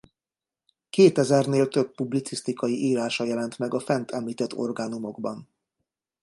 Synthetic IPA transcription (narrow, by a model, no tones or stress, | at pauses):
keːt̪ɛzɛrneːlt̪øb̚ːublit̪sist̪ikɒjiʔiːɾaːʃɒjɛlɛnt̪mɛɡɒfɛnt̪ʰɛmliːt̪ɛt̪ːo̞̰rɡaːnumo̞ɡbɒn